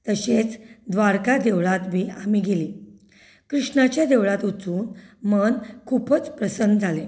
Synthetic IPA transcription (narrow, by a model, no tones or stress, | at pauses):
t̪əɕet͡sd̪ʋaɾkad̪eʋɭat̪ʋiːamiɡeliː | kɾiʂɳat͡ɕjad̪eʋɭat̪ut͡suːnmənkʰupət͡spɾəsənd̪d͡zʱale